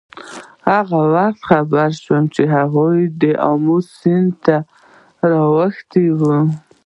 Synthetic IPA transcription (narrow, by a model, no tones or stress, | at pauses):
haɣawaxt̪xabaɾʃwəmt͡ʃeɦaɣujd̪əʔa̰musɪnd̪t̪a | ɾɑwəxt̪ewu